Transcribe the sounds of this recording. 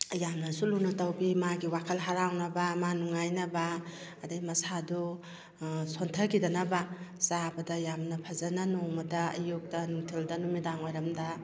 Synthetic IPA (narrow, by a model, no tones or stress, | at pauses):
jamnɐsulunatawbimaɡiwakʰɐlɦaɾawnɐbamanuŋajnɐbaːdajmɐsadu | sontʰɐkidɐnɐbasabɐdɐjamnɐpʰazananumɐdɐɐjuk̚dɐnuŋtʰildanumidaŋojɾɐmdɐ